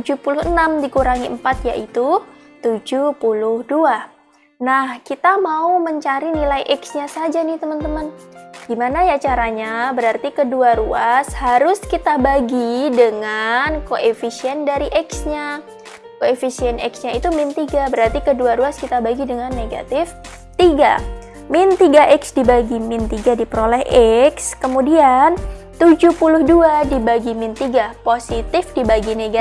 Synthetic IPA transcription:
t̪ud͡ʒupulʊhənamdikuɾaŋiəmpat̪ja̰ʔit̪u | t̪ud͡ʒupulʊhdua | nahkit̪amauməɲt͡ʃaɾinilajʔɛksɲasad͡ʒanɪht̪əmənt̪əmənɡ̥imanajat͡ʃaɾaɲabəɾart̪ikəduaɾuashaɾʊskit̪abaɡidəŋankoʔefisiɛndaɾiʔɛksɲa | koefisiɛnɛ̰ksɲait̪umɪnt̪iɡabəɾart̪ikəduaɾuaskit̪abaɡidəŋanːeɡa̰t̪ɪf | t̪iɡa̰ | mɪnt̪iɡaʔɛksdibaɡimɪnt̪iɡadipəɾolɛhʔɛkskəmudiant̪ud͡ʒupulʊhduadibaɡimɪnt̪iɡaposit̪ɪfdibaɡineɡa

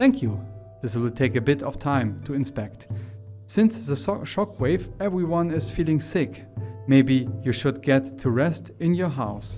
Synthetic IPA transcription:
θæ̃ŋkʰju | ðɪswɪlˠtʰeɪkɨbɪɾʌv̥tʰãɪ̃mtʰɨɨ̃nspɛk̚tsɪ̃nsðəʃɑkʰweɪvɛvɹiwʌ̃nɪz̥filˠɪ̃ŋsɪk | meɪbijɨʃʊd̚ɡɛtʰːuɹɛstɨ̃njə˞ɦaʊs

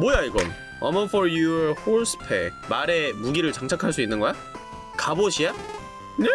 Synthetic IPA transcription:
mojaiɡʌ̰n | ʌ̰mʌfʌɾjuhoɭsʰɯ̥pʰḛmaɾe̞muɡiɾɯɭt͡ɕaŋt͡ɕʰakʰaɭs̬͈uinːɯnɡʌja | kaboɕʰija | ne

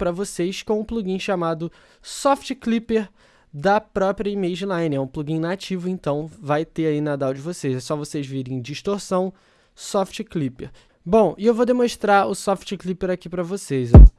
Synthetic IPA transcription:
pɾɐvosejskõw̃ũpluɡĩʃamad̪ʊ | sɔft͡ʃiklipeɾ | d̪ɐpɾɔpɾiɐimejʒĩlãjnɪɛũpluɡĩɲnat͡ʃivʊẽnt̪ɐ̃w̃vajt̪eainad̪awd͡ʒɪvosejzɛsɔvosejzviɾẽj̃d͡ʒiʃt̪oɾsɐ̃w̃ | sɔft͡ʃɪklipeɾ | bõw̃ɪewvod̪emõʃt̪ɾaɾʊsɔft͡ʃɪklipeɾakipɾɐvosejzɔ

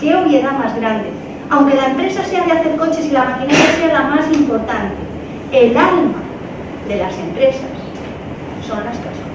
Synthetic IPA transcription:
keoβjeðamazɣɾand̪e̞̰ | awŋke̞laempɾe̞sase̞aðeaθe̞ɾko̞t͡ʃe̞silamakinaθase̞alamasimpo̞ɾt̪ant̪e | elalma | ðe̞lase̞mpɾe̞sasː | o̞nlaspeso

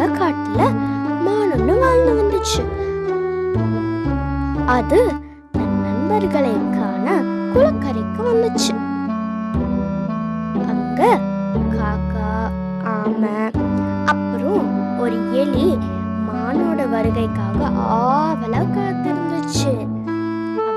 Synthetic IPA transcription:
ɐkaːʈːɪlɐmaːnɔnːɯ̃ʋaːlnɯʋɐnd̪ɯt͡ʃːɯ | ɐðɯ | nɐnːɐnbɐɾɣɐɭɐkaːnɐ | kʊɻɐkːɐɾɐkːɯʋɐnd̪ɯt͡ʃːɯ | ʔɐŋɡɐ | kaːkːaː | aːmɐ | ɐpːɯɾɔ̃ | ɔɾɯjɛɭi | maːnoːɽɐʋɐɾɯɣɐɪkːaːɣɐʔaːʋɐlɐʋkɐɭɐt̪ːɪɾɯnd̪ɯt͡ʃːɯ

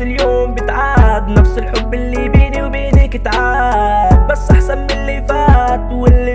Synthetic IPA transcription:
ɪljoːmbɪt̪ʕaːd̪nafsɪlħʊbːʔɪlːibiːniwbiːnikɪt̪ʕaːd̪̚basːʔaħsɑnmɪlːifaːt̪wɪlːi

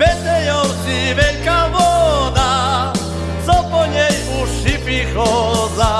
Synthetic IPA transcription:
pɛsɛjɔwsivɛlkavɔd̪a | zɔpɔɲɛj | uʂipixɔza

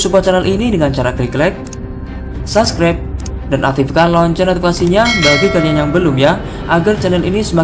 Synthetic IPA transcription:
supat͡ʃɛnəlʔinidəŋant͡ʃaɾakɾiklɛk̚ | saskɾap̚ | danʔa̰k̚t̪ifikalɔɲt͡ʃənat̪ifkasiɲabaɡiɡalianjaŋbəlʊmja | ʔaɡart͡ʃɛnəlḭnisəma

